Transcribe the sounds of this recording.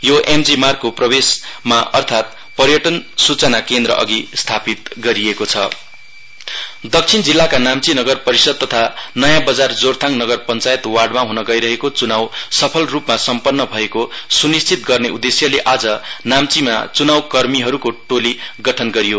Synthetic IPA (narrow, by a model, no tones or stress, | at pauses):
joʔemd͡zimarkːoprʌbesmaʔʌrt̪ʰat̪̚ | pʌrjʌʈʌnsut͡sʌnakend̪rʌ̰ʔʌ̰ɡist̪ʰapit̪̚ɡʌɾiekot͡sʰʌ̰ | d̪ʌk̚t͡sʰind͡zilːakanamt͡sinʌɡʌrpʌɾisʌd̪̚t̪ʌt̪ʰanʌjãbʌd͡zard͡zort̪ʰaŋnʌɡʌrpʌnt͡sajet̪warɖmaɦunʌɡʌjɾʌɦekot͡sunawsʌpʰʌlrupmasʌmpʌnːʌbʱʌekosunist͡sʰit̪̚ɡʌrneud̪esjʌleʔad͡zʌnamt͡sima̰t͡sunawkʌrmiɦʌɾukoʈoliɡʌʈʰʌnɡʌɾijo